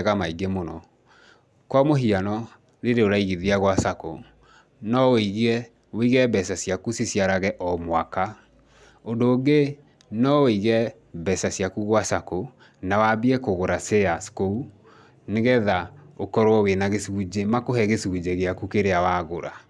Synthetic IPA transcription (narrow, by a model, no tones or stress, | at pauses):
ɣamaiɡemonɔ | kwamoɦianɔ | ɾeɾeoɾaiɣiðiaɣwasako | nɔiɣɛ | weiɣɛbɛsasjakusisjaɾaɣɛʔɔmwaka | odoːɡe | nɔweiɣɛ | bɛsasiakuɣwasako | nawabiɛkoɣoɾaseaskou | neɣɛðaokɔɾoɔwenaɣesud͡ʑemakoɦɛɣesud͡ʑeɣeakukeɾeawaːɣoɾa